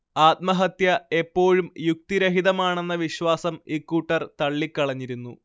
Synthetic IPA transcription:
aːt̪̚mɐɦɐt̪jɐe̞pːo̞ːɻumjuk̚t̪iɾɐɦiðɐmaːɳe̞nːɐʋiɕwaːsɐmikːuʈːɐrt̪ɐɭːikʲːɐɭɐɲːiɾunːu

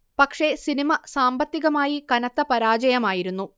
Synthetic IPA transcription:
pɐkʂe̞sinimɐsaːmbɐt̪ːiɣɐmaːjikɐnɐt̪ːɐpɐɾaːd͡ʑɐjɐmaːjiɾunːu

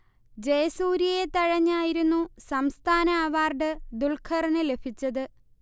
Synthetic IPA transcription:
d͡ʑejɐsuːɾijɐjet̪ɐɻɐɲːaːjiɾunːusɐmst̪ʰaːnɐːʋaːrɖɨd̪ulkʰɐrɐnɨle̞bʱit͡ɕːɐðɨ

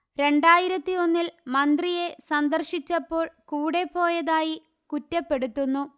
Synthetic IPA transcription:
ɾe̞ɳɖaːjiɾɐt̪ːio̞nːilmɐnd̪rije̞sɐnd̪ɐrɕit͡ɕːɐpːo̞ːɭkuːɽe̞pːo̞ːjɐðaːji | kutːɐpːe̞ɽut̪ːunːu

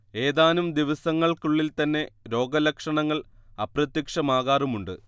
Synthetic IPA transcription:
e̞ːðaːnumd̪iʋɐsɐŋːɐɭkuɭːilt̪ɐnːe̞ɾo̞ːɡɐlɐkʂɐɳɐŋːɐɭɐprɐt̪jɐkʂɐmaːɣaːrumuɳɖɨ

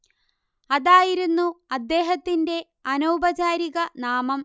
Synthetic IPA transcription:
ɐðaːjiɾunːuɐd̪ːe̞ːɦɐt̪ːinde̞ | ɐnowbɐt͡ɕaːɾiɣɐnaːmɐm

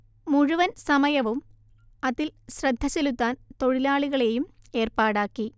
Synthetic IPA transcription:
muɻuʋɐnsɐmɐjɐʋum | ɐðilɕrɐd̪ʱːɐsilut̪ːaːnt̪o̞ɻilaːɭiɣɐɭe̞jum | e̞ːrpaːɽaːkːi

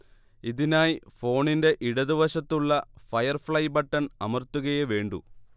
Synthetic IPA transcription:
iðinaːjfo̞ːɳinde̞ʔiɽɐðiʋɐɕɐt̪ːuɭːɐfɐjɐrfɭɐjbɐʈːɐnɐmɐrt̪ːuɣɐjeʋe̞ːɳɖṵ

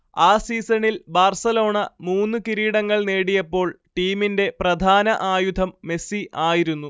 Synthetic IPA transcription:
aːsiːsɐnilbaːrsɐlo̞ːɳɐmuːnːɨkiɾiːɽɐŋːɐɭneːɽijɐpːo̞ːɭʈiːminde̞prɐd̪ʱaːnɐʔaːjud̪ʱɐmːe̞siʔaːjiɾunːu

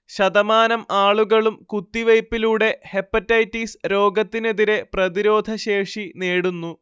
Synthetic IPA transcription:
ɕɐd̪ɐmaːnɐmaːɭuɣɐɭumkut̪ːiʋɐjpːiluːɽe̞he̞pːɐtːɐjtːisɾo̞ːɡɐt̪ːineðiɾe̞prɐðiɾo̞ːd̪ʱɐɕe̞ːʂineːɽunːu

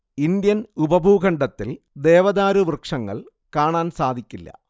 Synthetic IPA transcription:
ind̪jɐnubɐbʱuːɡɐɳɖɐt̪ːil | d̪e̞ːʋɐðaːɾuʋrkʂɐŋːɐ̰ɭ | kaːɳaːnsaːd̪ʱikʲːilːɐ̰

